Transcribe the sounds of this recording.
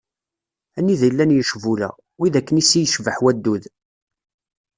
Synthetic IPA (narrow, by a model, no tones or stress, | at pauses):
ænːiðjəlːænjəʃvulæ̰ | wiðækːənisijəʃvəħwæd̪ːuð